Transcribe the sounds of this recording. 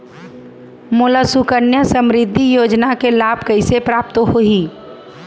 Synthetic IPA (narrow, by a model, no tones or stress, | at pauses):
mʊlasukəɾnjəsəmɾɪd̪ʱːijoːd͡ʒnakelaːb̚ʱkəɪsepɾaːp̚t̪ɦoi